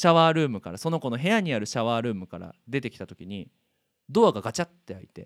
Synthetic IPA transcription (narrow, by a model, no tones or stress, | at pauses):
ɕaβaːɾɯ̟ːmɯ̟kaɾaso̞no̞ko̞no̞ɦe̞jaɲ̟iaɾɯ̟ɕaβaːɾɯ̟ːmɯ̟kaɾa̰d̪e̞t̪e̞kʲi̥t̪at̪o̞̥kʲiɲ̟i | d̪o̞βaɡaɡat͡ɕat̪ːe̞ait̪e̞̰